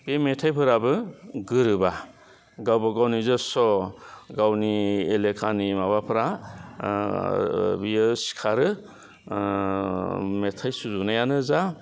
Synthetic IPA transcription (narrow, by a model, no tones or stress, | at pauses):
b̥emetʰajpʰɯɾabɯɡɯɾɯba | ɡawbaɡawnizɔsɔɡawnielekʰanimaβapʰɯɾa | bijɯsi̥kʰaɾɯ | metʰajsuzunajanɯza